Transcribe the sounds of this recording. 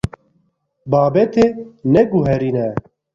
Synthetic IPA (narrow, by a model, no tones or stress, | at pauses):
baːbɛt̪ʰenɛɡuɦɛɾinɛ